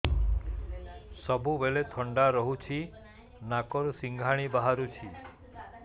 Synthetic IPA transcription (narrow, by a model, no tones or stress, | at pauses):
sɔbuʋelet̪ʰɔɳɖaɾɔɦut͡ʃʰi | nakɔɾusiŋɡʱaɽ̃ibaɦaɾut͡ʃʰi